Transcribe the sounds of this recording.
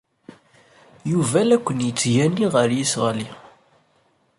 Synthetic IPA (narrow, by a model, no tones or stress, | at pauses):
juvælækʷːənjət͡sːʝænːiʁəɾjisʁəli